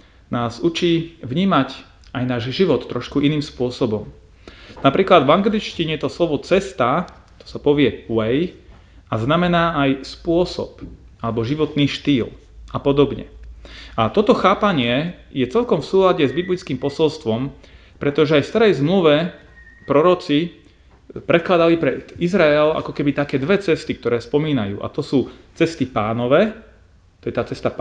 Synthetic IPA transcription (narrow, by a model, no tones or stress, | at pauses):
naːzut͡ʃiːʋɲiːmac | ajnaːʒʒiʋɔt̪ːɾɔʃkuʔiniːmspʊɔsɔbɔm | napɾiːklad̪vaŋɡlit͡ʃciɲɛjɛt̪ɔslɔʋɔt͡sɛst̪aː | t̪ɔ̥sapɔʋɪɛwɛj | aznamɛnaːajspʊɔsɔ̰p | alɛbɔʒiʋɔt̪niːʃt̪iːl | apɔd̪ɔbɲɛ̰at̪ɔt̪ɔxaːpaɲɪɛjɛt͡sɛlkɔmfsuːlaɟɛzbiblit͡skiːmpɔsɔlst̪ʋɔm | pɾɛt̪ɔʒɛajfst̪aɾɛjzmluʋɛ | pɾɔɾɔt͡si | pɾɛt̪̚klad̪alipɾɛizɾaɛla̰kɔkɛbit̪akɛːd̪ʋɛt͡sɛst̪ik̚t̪ɔɾɛːspɔmiːnajṵːʔa̰t̪ɔsuːt͡sɛst̪ipaːnɔʋɛː | t̪ɔjɛt̪aːt͡sɛst̪a